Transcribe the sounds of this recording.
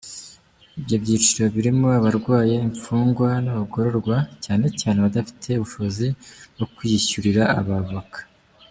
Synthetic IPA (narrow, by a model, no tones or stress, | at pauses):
ibjo̞bɟiːt͡ʃiɾo̞βiɾimo̞aβaɾɡwaːje̞iɱfuːŋɡwanaβaɡo̞ɾo̞ɾɡwacaːne̞caːne̞βadafi̥tʰe̞uβuʃoziwokujiɕuɾiɾa̰ːβavakḁ